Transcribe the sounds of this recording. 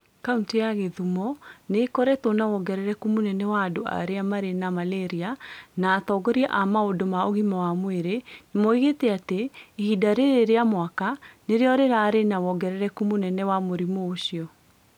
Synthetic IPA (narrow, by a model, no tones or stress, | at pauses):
kauntijaɣeðumɔnekɔɾɛtonawɔɡɛɾɛɾɛkumonɛnɛwaːdoa̰ɾeamaɾenamalɛɾianaːtɔɡɔɾiaʔamaodomaoɣimawamweɾenemɔiɣetɛateːhidaɾeɾeɾeamwakaneɾeɔɾeɾaɾenawɔɡɛɾɛɾɛkumonɛnɛwamoɾimoːɕiɔ